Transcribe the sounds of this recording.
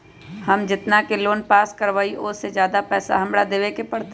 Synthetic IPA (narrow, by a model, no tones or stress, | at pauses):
hɐmd͡ʒɪt̪nakeloːnpaːskəɾʋaːiʔʊsed͡ʒjaːd̪apɛːsa̰ɦɐmɽad̪eːʋekepɐɽt̪e